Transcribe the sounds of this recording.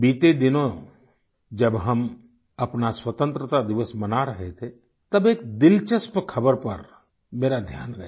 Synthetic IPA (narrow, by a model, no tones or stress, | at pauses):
biːt̪ed̪ɪnõ | d͡ʒəbɦɐm | ɐpnaswət̪ə̃nt̪ɾət̪ad̪ɪʋəsmɐnaɾəɦet̪ʰe | t̪ɐbeːk̚d̪ɪlt͡ʃəspkʰɐbəɾpɐɾ | meːɾad̪ʱjaːnɾɐɦe